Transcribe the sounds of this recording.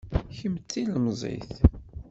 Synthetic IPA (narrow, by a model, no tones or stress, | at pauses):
çəmt͡sːiləmzˤḭθ